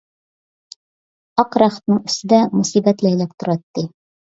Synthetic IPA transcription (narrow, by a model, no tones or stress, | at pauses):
ɒqɾɑχɘ̥̆t̪nɤɴɵ̆st̪ɘ̆d̪æmʊsibæt̪læjlæp̚t̪ŏɾɑt̪ːi